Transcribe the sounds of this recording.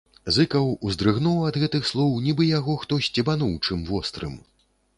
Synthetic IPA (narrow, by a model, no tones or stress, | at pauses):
zɨkɐwuzd̪ɾɨɣnɔwɐd̪ɣɛt̪ɨxslˠɔwnʲibɨjaɣɔxt̪ɔsʲt͡sʲɛbanuwt͡ʂɨmvɔst̪ɾɨ̰m